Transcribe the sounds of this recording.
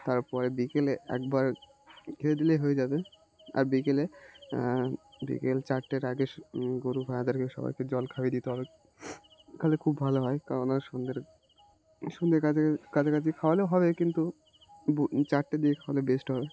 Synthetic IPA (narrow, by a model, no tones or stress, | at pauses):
t̪aɾpɔɾebikeleɛ̰k̚baɾ | ɡʰʱeɾed̪ileɦoed͡ʑabe | a̰ɾbikele | bḭkelt͡ɕaɾʈːeɾaɡeʃɡoɾubʱajad̪aɾkeʃɔ̰ba̰jked͡ʑɔlkʰabed̪it̪eɦɔbe | kalekʰubːʱaloɦɔekaɾonaʃond̪eɾ | ʃund̪eɾkakat͡ɕʰakat͡ɕʰikʰaoalewɦɔbekint̪u | t͡ɕaɾʈːad̪iekʰawalebesʈɦɔbe